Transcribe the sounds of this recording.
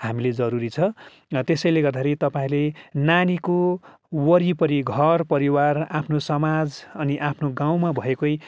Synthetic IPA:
hamiled͡zʌɾuɾit͡sʰʌ | t̪esʌjleɡʌrd̪aɦʰeɾit̪ʌpaĩlenaniko | wʌɾipʌɾiɡʱʌrpʌɾiwarapʰnosʌmad͡zʌniʔapʰnoɡaw̃mabʱʌekoj

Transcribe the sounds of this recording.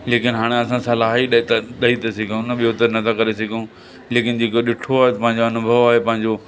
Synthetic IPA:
leːkɪnɦaːɽ̃eɐsãsɐlaːɦiɗt̪ɗɐɦit̪ɐsɪɡʱiũnəɓijot̪ɐnɐt̪ʰakɐɾesɐɡʱiũ | leːkɪnɪ̆d͡ʑeːkoɗɪʈʰoaːɦet̪ɐpɐ̃ɦɪ̃ɲ̆d͡ʑoɐnʊbʱəʋaːɦepɐ̃ɦɪ̃ɲd͡ʑo

